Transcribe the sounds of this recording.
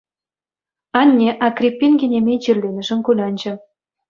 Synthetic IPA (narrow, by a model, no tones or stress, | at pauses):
ɑnʲːeʔɑkrʲipʲːinɡenʲemʲed͡ʑirlenə̆ʒə̆mkulʲɑnʲd͡ʑɤ̆